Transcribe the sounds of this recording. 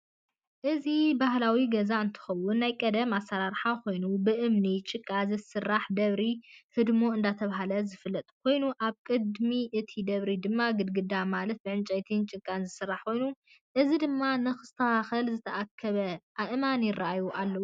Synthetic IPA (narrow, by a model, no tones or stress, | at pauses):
ʔɨzibahlawiɡɐzaɨnt̪ʰɨ̥xɐwʊnːajkʼɐd̪ɐmasːaɾaɾħakʰo̞jnubɨʔɨmnit͡ʃʼɨkʼːazɨsɨrːaħd̪ɐβɾihɨd̪mo̞ɨnd̪at̪ʰɐβaɦalɐzɨfɨlːɐt̪ʼkʰo̞jnuʔaβkʼɨd̪miʔɨt̪ʰid̪ɐβɾid̪ɨmːaɡɨd̪ɡɨd̪amalɐt̪̚bɨʕɨnt͡ʃʼɐjt̪ʰɨnt͡ʃʼɨkʼːanzɨsɨrːaħkʰo̞jnu | ʔɨzid̪ɨmːanɨxɨst̪ʰɐaxɐlzɨt̪ʰɐʔakʰːɐβɐʔaʔɨmanjɪrːaʔajuʔalːɐwu